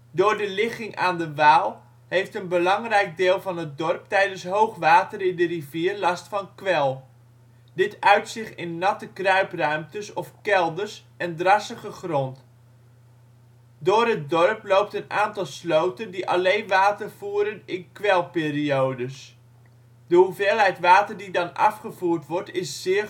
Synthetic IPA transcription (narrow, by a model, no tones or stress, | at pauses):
dʊːɹdəlɪχɪŋʔaːndəʋaːlˠ | hejftənbəlɑŋrɛjɡ̚dɪːlˠvɑnɦət̚dɔrptɛjdənsɦowχʋaːtərɪndəriviːrlɑstfɑnkʋɛlˠ | dɪtœɥtsɪχtɪnːɑtəkrœɥprœɥmtəsɔfkɛlˠdərs | ɛndrɑsəχəχrɔnt | dʊːrɦət̚dɔɹplowp̚tənaːntɑlˠslowtəndiʔɑlejnʋaːtərv̥uːɾənɪnkʋɛlˠpɪːriowdəs | dəɦuveːlˠɦɛjtʋaːtəɹdidɑnɑ̰fχəv̥uːɹtʋɔɹtɪsːɪː